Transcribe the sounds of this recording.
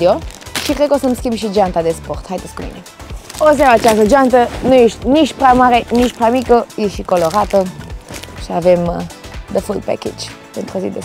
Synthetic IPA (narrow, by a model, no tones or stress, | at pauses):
oʃikɾed̪̚kosəmskʲimbʃid͡ʒant̪ad̪esport̪hajd̪esʲkumḭneos̬emat͡ʃast̪əd͡ʒant̪ənujeʃt̪ʲnit͡ʃpɾamaɾenit͡ʃpɾʲamikəjeʃikoloɾat̪ə | ʃiavemd̪əfuld̪̚pɛ̰kḛd͡ʒpent̪ɾozḭd̪es